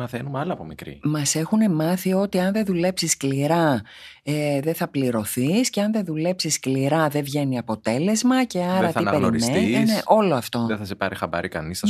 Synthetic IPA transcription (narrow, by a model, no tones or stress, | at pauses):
mɐθenumɐlɐːpomikɾḭmɐse̞xune̞mɐθio̞t̪iɐnðe̞ðule̞psiskliɾɐ | ðe̞θɐpliɾo̞θisceɐnðeðule̞psiskliɾɐðe̞vʝe̞niɐpo̞t̪e̞le̞zmɐce̞ɐɾɐipeɾmenit̪eneʔo̞lo̞ɐft̪o̞ðeθɐsepɐɾixɐbɐ̰ɾikɐ̰nisɐ